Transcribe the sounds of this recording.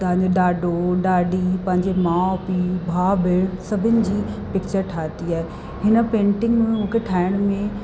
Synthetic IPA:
t̪ɐɦɲd͡ʑoɗaːɖʱoɗaːɖipɐ̃ɦɪ̃ɲd͡ʑemãːpibʱaːbʱɪɭsɐbʱɪnɪ̆d͡ʑiːpɪk̚t͡ɕəɾʈʰaːt̪iaːɦe | ɦɪnə̆pẽːɳʈɪ̃ŋɡmẽʊ̃ɦkʰeʈʰaːɪɽ̃mẽ

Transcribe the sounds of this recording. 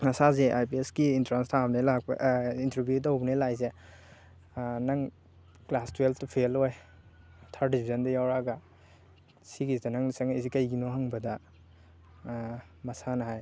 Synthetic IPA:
mɐsazeʔa̰jpieskiːntɾanstʰabnelak̚b̰ʔintɾibjutawbɐnelajze | nɐŋ | klastwelʰtupʰeloj | tʰaɾdipʰizɐndɐjawɾaɡɐ | siɡisdɐnaŋnisaŋisikɐjɡinoɦaŋbɐdɐ | mɐsanɐɦaj

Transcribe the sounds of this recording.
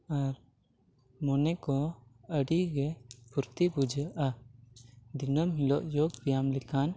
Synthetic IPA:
aɾ | mɔnɛkɔəɽiɡɛpuɾt̪ibud͡ʒəʔa | d̪inəmɦilɔʔjoɡbijamlɛkan

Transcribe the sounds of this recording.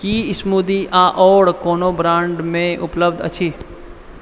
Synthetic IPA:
kiːɪsmuːd̪iʔaːʔɔːɽkoːnobɾãːɳɖmẽʊpləbd̪ʱɐ̰t͡ʃʰiː

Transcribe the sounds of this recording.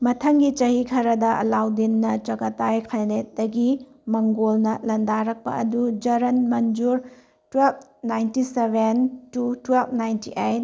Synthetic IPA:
mɐtʰɐŋɡit͡ʃɐhikʰɐɾɐdɐʔɐ̰lawdinːɐt͡ʃɐkɐtajkʰajnet̚dɐɡi | mɐŋɡolnɐlɐndaɾɐk̚pɐ̰ɐdud͡ʒɐɾɐnmɐnd͡ʒuɾ | twelb̚najntisebʱentutwelb̚najntḭʔejt̚

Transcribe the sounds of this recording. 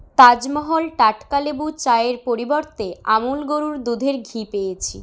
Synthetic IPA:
t̪ad͡ʑmɔɦolʈaʈkalebut͡ɕaeɾpoɾiboɾt̪eamulɡoɾuɾd̪ud̪ʱeɾɡʱipejet͡ɕʰḭ

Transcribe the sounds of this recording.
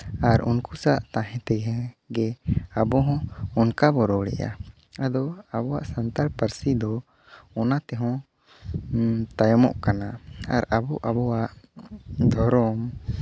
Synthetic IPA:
aɾṵnkusaʔt̪ãɦɛ̃t̪ɛɡɛ̃ɡɛabɔɦɔ̃ɔnkabɔɾɔɽɛ̰ja̰ | ad̪ɔabɔwaʔsant̪alpəɾsid̪ɔ | ɔnat̪ɛɦɔ̃ | t̪ajɔmɔ̰ʔkanaaɾabɔʔabɔwaʔ | d̪ʱɔɾɔm

